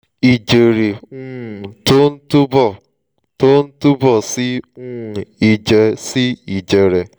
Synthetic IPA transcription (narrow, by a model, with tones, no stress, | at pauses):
i˨d͡ʒe˨ɾe˨ŋ̩˦˨to˦n̩˦tu˦bɔ˨ | to˦n̩˦tu˦bɔ˨sɪ˦ŋ̩˦˨i˨d͡ʒe˨sɪ˦i˨d͡ʒe˨ɾe˨